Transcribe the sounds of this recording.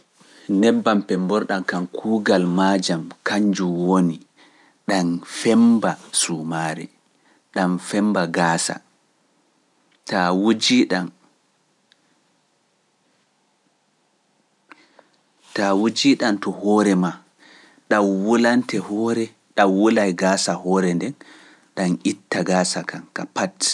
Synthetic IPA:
nɛbːampɛmbɔɾɗankankʰuːɡalmad͡ʒamkaɲd͡ʒuwoni | ɗanfɛmbasumaːɾɛ̰ | ɗamfɛmbaɡaːsa̰ | tawd͡ʒiɗan | tawud͡ʒiɗantɔhɔɾɛma | ɗawwulantɛhɔːɾɛ | ɗawwulajɡaːsahɔːɾɛndɛn | ɗanʔitːaɡaːsakʰankapat

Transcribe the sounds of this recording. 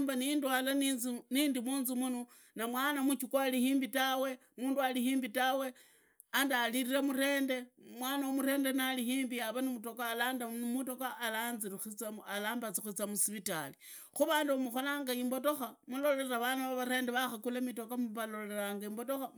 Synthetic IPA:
mbanindwalaninindimuːnzumuno | namwaːnamut͡ʃukwalihiːmbitawe̞ | muːndualihiːmbitawe̞ | andaliɾiɾamuɾe̞ːnde̞mwaːnaomuɾe̞ːnde̞nalihiːmbijaβanimuto̞kaːlaːndamuto̞kaːlaːnzixut͡saalaːmbat͡sixut͡samusiβitali | xuβaːnduβamuxolaːŋɡaimbo̞to̞xamulo̞leraβanaβaβaɾe̞ːndeβaxakulamito̞kamuβalo̞le̞ɾaːŋɡaimbo̞to̞xa

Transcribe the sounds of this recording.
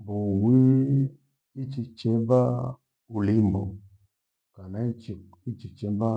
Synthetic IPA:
buwii | it͡ʃit͡ʃɛba | ulimbo̰ | kanat͡ʃi | it͡ʃit͡ʃɛba

